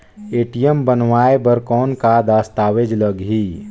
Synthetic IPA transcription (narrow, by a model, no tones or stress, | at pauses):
eːʈijəmbənʋaːebəɾkɔːnkad̪aːst̪aːʋed͡ʒləɡɦi